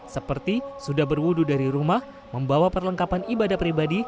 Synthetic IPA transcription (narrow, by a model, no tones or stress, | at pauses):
səpərt̪isudahbərwududaɾiɾumah | məmbawapərləŋkapanibadahpɾibadi